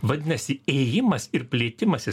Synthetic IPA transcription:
ʋɐd̪ʲɪnɐsʲɪɛːjɪmɐsɪɾpʲlʲeːt̪ʲɪmɐsʲɪ

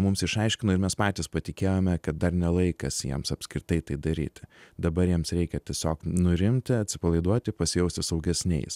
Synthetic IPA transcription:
mʊmsɪʃɐɪʃʲkʲɪnʊɪɾmʲɛspɑːt̪ʲɪspɐt̪ʲɪkʲeːjomʲɛkɐt̪̚d̪ɐrnʲɛlˠɐɪkɐsjḭɛmsɐpʲskɾʲɪt̪ɐɪt̪ɐɪd̪ɐɾʲḭːt̪ʲɪd̪ɐbɐɾjiɛmsɾʲɛɪkʲɛt̪ʲiɛsʲoːknʊɾʲɪmʲt̪ʲɪɐt̪ʲsʲɪ̥pɐlˠɐɪd̪uɔt̪ʲɪpɐsʲɪjɛʊsʲt̪ʲɪsɐʊɡʲɛsʲnʲɛ̰ɪs

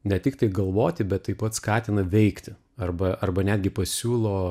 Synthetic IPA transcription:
nʲɛt̪ʲɪk̚t̪ɐɪɡɐlˠʋoːt̪ʲɪbʲɛt̪t̪ːɐɪpɐt̪skɑːt̪ʲɪnɐʋʲɛɪkt̪ʲɪ | ɐrbɐɐrbɐnʲæːd̪ʲɡʲɪpɐsʲuːlˠoː

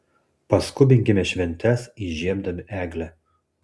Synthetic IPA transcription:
pɐskʊbʲɪŋʲɡʲɪmʲɛʃʲʋʲɛnʲt̪ʲɛsiʒʲiɛmd̪ɐmʲɪʔæːɡlʲɛ

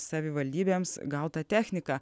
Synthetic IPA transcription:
sɐʋʲɪʋɐlʲd̪ʲiːbʲeːmsɡɐʊt̪ɐt̪ʲæːxʲnʲɪkɑː

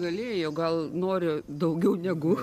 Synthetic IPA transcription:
ɡɐlʲeːjoːɡɐlˠnoːɾʲɪ | d̪ɐʊɡʲɛʊnʲɛɡʊ

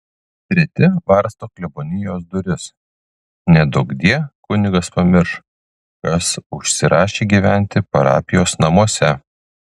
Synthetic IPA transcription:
t̪ʲɾʲɛt̪ʲɪʋɐɾst̪oːklʲɛbonʲɪjoːsd̪ʊɾʲɪs | nʲɛd̪ʊɡd̪ʲiɛkʊnʲɪɡɐspɐmʲɪɾʃ | kɐsʊʃʲsʲɪɾɑːʃʲeːɡʲiːʋʲæˑnʲt̪ʲɪpɐɾɑ̰ːpʲɪjoːsnɐmuɔsʲɛ

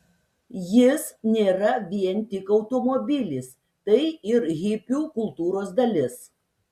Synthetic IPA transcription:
jɪsnʲeːɾɐʋʲiɛnʲt̪ʲɪkɐʊt̪ɔmobʲɪlʲiːs | t̪ɐɪɪɾɣʲɪpʲuːkʊlˠt̪uːɾoːsd̪ɐlʲɪs

